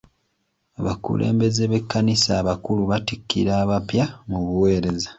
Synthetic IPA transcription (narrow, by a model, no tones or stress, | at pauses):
aβakṵlʔḛːmbe̞zeβe̞kːanisaːβakuluβatikːḭɾaːβapjamuβuwe̞ːɾe̞zḁ